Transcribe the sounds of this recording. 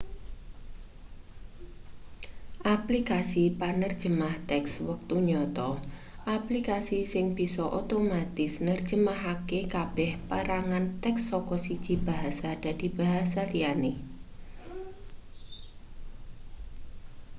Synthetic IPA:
ʔaplikasipanərd̥d͡ʒ̥ə̤maht̪ɛkswək̚t̪uɲɔt̪ɔʔaplikasisɪŋb̥i̤sɔʔot̪omat̪ɪsnər̥d͡ʒ̥ə̤maɦakekab̥ɛhpəɾaŋant̪ɛksːɔkɔsid̥ʒ̥i̤b̥a̤ɦasad̥a̤d̥i̤b̥a̤ɦasaliane

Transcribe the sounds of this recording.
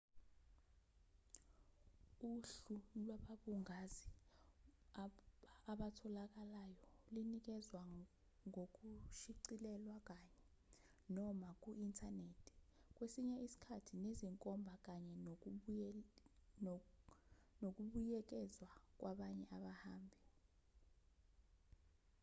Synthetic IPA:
uɬulwaɓaɓuŋazi | aɓatʰɔlak̬alajɔulinik̬ɛzwa | ŋok̬uʃiǀilɛlwak̬aɲɛ | nɔmak̬ʼuintʰaneːtʰi̥k̬ʼwesiɲɛisi̥kʰatʰineziŋkʼɔmbʱak̬aɲɛn | nok̬uɓujɛk̬ɛzwak̬wʔaɓaɲɛʔaɓahaːmbʱi

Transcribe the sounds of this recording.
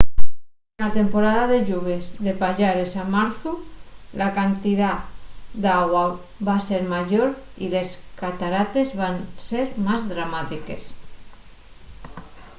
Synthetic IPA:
enat̪empoɾaðaðeʎuβ̞ezðepaʎaɾesamaɾθulakant̪iðad̪aɣwa | βaseɾmaʒoɾ | ile̞skat̪aɾat̪e̞zβanseɾmazðɾamat̪ike̞s

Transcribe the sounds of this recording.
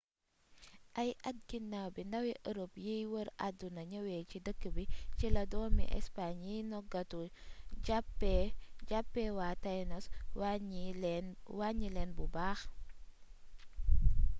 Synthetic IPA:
ʔɐjʔɐt̚ɡinːawbindɐwɛʔəɾopjijwəɾʔadːunɐɲɐwɛcidəkːəbicilɐdɔːmḭʔɛ̰spaɲjijnɔɡɐtuɟapːɛɟapːɛwatajnɔs | waɲilɛnbubaːx

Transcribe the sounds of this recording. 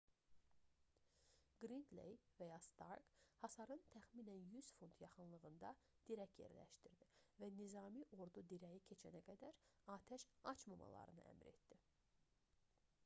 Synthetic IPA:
ɡ̥ɾind̪lḛjvæjɑst̪ɑ̰ɾɡhɑsɑɾɯnt̪ʰæxmiːnænjyz̥funt̪ʰjɑχɯnlˠɯɣɯnd̪ɑd̪̥iɾækjḛɾlæ̰ʃt̪iɾd̪ivænizɑːmiʔo̞ɾd̪ud̪iɾæjicʰe̞t͡ʃʰænæɡæd̪æɾɑːt̪ʰæʃɑt͡ʃmɑmɑ̰lˠɑ̰ɾɯnɯ̰ʔæ̰mɾe̞̰t̪d̪i

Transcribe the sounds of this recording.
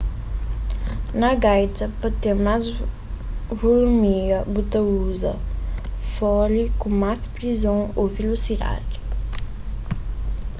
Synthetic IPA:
nɐɡajt̪ɐpɔt̪eɾmaz | vulumiɡɐbut̪ɐuzɐ̰ | fɔlikũmazpɾizõwowvelusid̪a̰di

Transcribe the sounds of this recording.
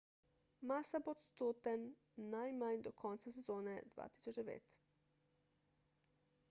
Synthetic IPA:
masapot̪st̪ut̪enː | ajmaɲd̪okʰont̪sasezoːned̪ʋa̰ːt̪i̥sut͡ʃeʋḛːt̪

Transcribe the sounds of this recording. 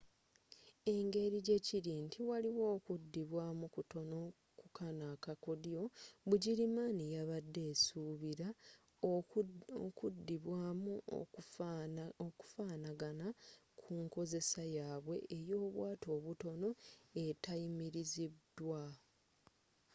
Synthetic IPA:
e̞ŋɡe̞ɾiɟe̞ciɾintʰiwaliwo̞ːkudːiβwaːmukuto̞no̞ | kukʰanaːkakodijo̞βuɟiɾimaːnijaβadːe̞ːsuːβiɾa | okudːiβwaːmṵ | oku̥faːnaɡanakʰuŋko̞ze̞sajaːβwe̞ʔejo̞ːβwaːto̞ːβuto̞no̞e̞tajimiɾizidwa

